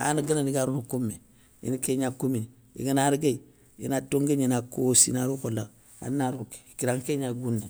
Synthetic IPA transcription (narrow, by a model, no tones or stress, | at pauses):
a̰naɡənaniɡaɾunukumːe | ḭnikeɲakumin | ḭɡanaɾɡei | ḭnatoŋɡeɲinakosḭnaɾukola | a̰nnaɾuke̥kiɾaŋkeɲaɡunːe